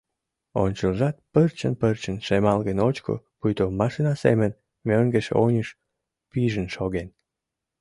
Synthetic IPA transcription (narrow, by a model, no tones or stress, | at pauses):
o̰nʲt͡ɕəlʒɑt̪̚pərt͡ɕənpərt͡ɕənʃemɑlɣənot͡ɕko̰ | pujt̪omɑʃinɑsḛmən | møŋɡeʃonʲəʃ | piʒənʃoɣen